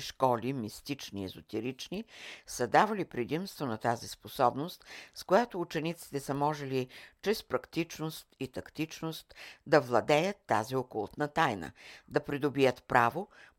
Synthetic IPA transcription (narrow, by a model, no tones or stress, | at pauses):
ʃkɔlimist̪it͡ʃniɛ̰zot̪ɛɾit͡ʃnisɐd̪avɐlipɾɛd̪imst̪vonɐt̪azisposɔbnost̪skojat̪oːt͡ʃɛnit̪si̥t̪ɛsəmɔʒɛlit͡ʃɾɛspɾɐkt̪it͡ʃnost̪it̪ɐkt̪it͡ʃnost̪d̪ɐvlˠɐd̪ɛjət̪ːa̰ziokolˠt̪nət̪ajnə̰d̪ɐpɾid̪obijət̪pɾavo